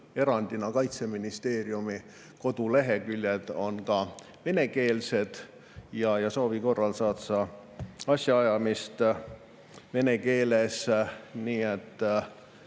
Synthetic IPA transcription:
e̞ɾɑnd̪̥inɑkɑjt̪se̞minist̪e̞ːɾjumi | ko̞d̪̥ule̞ɦe̞kylʲjed̪̥o̞nkɑ | ve̞ne̞ke̞ːlse̞d̪̥ | jɑjɑso̞ːviko̞rːɑlsɑːt̪sɑ | ɑsʲjɑɑjɑmist̪ | ve̞ne̞ke̞ːle̞sniːet̪ː

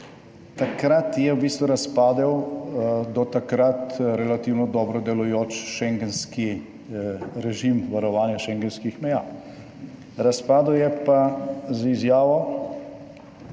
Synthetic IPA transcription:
t̪akɾat̪jɛwbiːst̪ʋuɾaspaːd̪ɛw | d̪ɔt̪akɾat̪ɾɛlat̪iːwnɔd̪ɔːbɾɔd̪ɛlujoːt͡ʃʃɛŋɡɛnski | ɾɛʒimʋaɾɔʋaːnjɛʃɛŋɡɛnskixmɛjaː | ɾaspaːd̪ɛwjɛpazizjaːʋɔ

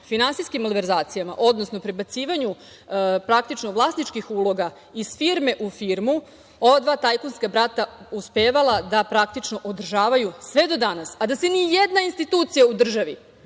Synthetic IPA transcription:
finansijskimolʋeɾzaːt̪sijama̰ʔo̞d̪nosno̞pɾe̞bat̪siːʋaɲu | pɾak̚t̪it͡ʃnoʋlˠasnit͡ʃkixulˠo̞ɡa | isfiɾme̞ʔufiɾmu | oʋad̪ʋaːt̪ajkonskabɾat̪auspeːʋalˠad̪apɾakt̪it͡ʃno̞ʔod̪r̩ʒaːʋajusʋe̞d̪o̞d̪anasad̪asenijed̪nainst̪it̪uːt̪sijaud̪r̩ʒaʋi

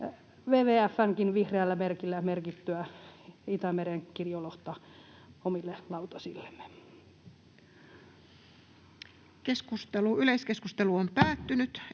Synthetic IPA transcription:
ʋeːʋeːæfːæŋkinʋihreælːæmerkilːæmerkit̪ːøæit̪æmeɾeŋkirjoloht̪ɑ | omilːelɑut̪ɑsḭlːe̥mːe̥ | keskust̪eluyleiskeskust̪eluompæːt̪ːynyt̪

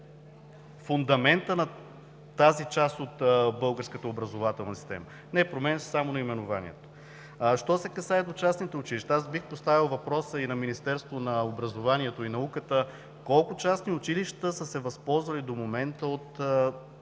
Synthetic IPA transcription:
fʊnd̪ɐmɛnt̪ənɐ | t̪azit͡ʃast̪ot̪bɤlˠɡəɾskət̪əobɾɐzovat̪ɛlˠnɐsi̥st̪ɛ̰mə | nɛpɾomɛnssamonɐimɛnʊva̰nḭɛ̰t̪o̥ | ʃt̪ɔsɛkɐsaɛd̪ot͡ʃasnit̪ɛʊt͡ʃiliʃt̪əasbixpost̪avilˠvɐpɾɔsəinɐminist̪ɛɾst̪vonɐobɾɐzovaniɛt̪oinɐukət̪ə | kɔlˠkʊt͡ʃasniʊt͡ʃiliʃt̪əsəsɛvɐspɔlˠzvɐlid̪omomɛnt̪əot̪ə

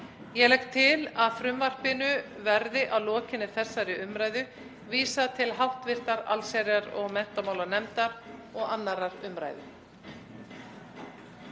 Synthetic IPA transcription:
jɛɣlɛjhkt̪ʰːɪlaðfɾʏmvar̥pɪnʏvɛɾðɪʔawlɔːcɪnʏθɛsːaɾɪʏmɾaːjðʏ | viːsat̪ʰɪlɦawht̪vɪr̥t̪aɾa̰lsɛɾjaɾɔɣmɛn̥t̪amaːwlaɾnɛmt̪aɾɔɣanːaɾaɾʏmɾa̰jðʏ̰

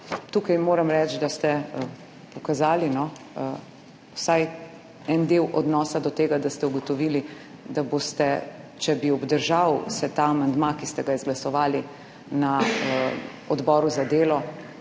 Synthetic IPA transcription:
t̪uːkajmoːɾɐmɾɛt͡ʃd̪ast̪ɛ | pɔkazaːlinɔ | wsaj | ɛnd̪eːwʔɔd̪nɔːsad̪ɔt̪eːɡad̪ast̪ɛuɡɔt̪ɔʋiːli | d̪aboːst̪ɛt͡ʃɛbiɔbd̪əɾʒawsɛt̪aːmand̪makist̪ɛɡaizɡlasɔʋaːli | na | ɔd̪bɔːɾuzad̪eːlɔ

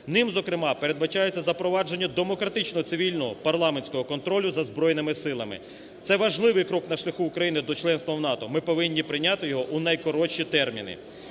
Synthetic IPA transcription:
nɪmzɔkɾɪmɑpeɾe̞d̪bɐt͡ʃɑjet͡sʲːɐzɐpɾɔʋɑd͡ʒe̞nʲːɐd̪e̞mɔkɾɐt̪ɪt͡ʃnɔɦɔt̪sɪʋʲilʲnɔɦɔpɐrlˠɑmenʲsʲkɔɦɔkɔnt̪ɾɔlʲʊzɐzbɾɔjnɪmɪsɪlˠɐmɪ̰ | t̪sɛʋɐʒlˠɪʋɪjkɾɔknɐʃlʲɐxuːkɾɐjinɪd̪ɔt͡ʃlˠɛnst̪ʋɐwnɑt̪ɔmɪpɔʋɪnʲːipɾɪnʲat̪ɪjɔɦɔʔunɐjkɔɾɔt͡ʃit̪ɛrmʲḭnɪ̰

